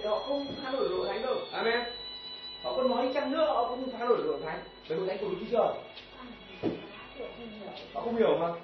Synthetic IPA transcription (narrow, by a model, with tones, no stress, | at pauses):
hɔ̰˧˨xə˧wŋ͡mt̪ʰaː˧ɗo˨˧˩jzo̰˧˨t̪ʰa˨˦ŋzo˧˩jʔaː˨˧˩mɛ˧n | hɔ̰˧˨kɔ˧˦nmɔ˨˦i˦t͡ɕa˧mnɨ̰˧˥əhɔ˧˨˧kɔ˧wŋ͡mt̪ʰa˧ɗo̰˧˩jzo̰˨˧˨t̪ʰa˨˦ŋ | ɓə˨˩ɗo̰˨ʔa˧ŋkːu˨˦t͡ɕi˧˦t͡ɕəː˧˩ə˨˩˧ | hɔ̰˧˨xə˧wŋ͡mhi˧˩ə˨ma˧˩